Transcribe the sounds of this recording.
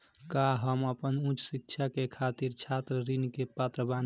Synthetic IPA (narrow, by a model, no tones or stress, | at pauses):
kaɦəməpənũt͡ʃsik̚t͡ʃʰakekʰat̪iɾt͡ʃʰat̪ɾəɾinkepət̪ɾəban